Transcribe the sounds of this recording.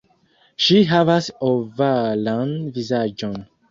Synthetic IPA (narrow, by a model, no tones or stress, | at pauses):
ʃiɦavasovəlãnvizad͡ʒɔ̃n